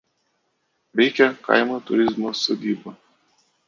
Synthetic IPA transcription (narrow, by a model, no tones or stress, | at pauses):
ʋʲɛɪkʲɛkɐ̰ɪmot̪ʊɾʲɪzmosoːd̪ʲiːbo